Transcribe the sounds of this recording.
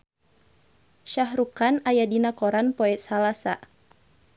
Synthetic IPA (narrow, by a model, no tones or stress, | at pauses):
ʃaɦɾukanajadinakɔɾanpɔɛt̪salasa̰